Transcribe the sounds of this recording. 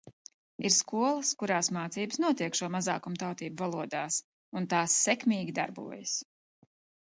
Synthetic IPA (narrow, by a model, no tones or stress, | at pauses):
iɾskuɔlˠɐskuɾaːsmaːt̪siːbəsnuɔt̪iɛkʃuɔmaza̰ːkumt̪awt̪iːbuvalˠuɔd̪aːs | unt̪aːsːɛkmʲiːɡʲid̪a̰ɾbṵɔjɐs